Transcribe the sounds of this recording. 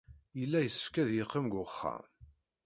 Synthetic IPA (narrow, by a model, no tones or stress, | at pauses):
jəlːæjəsːə̥fkæðjeqːəmɡʷʊχːæ̰m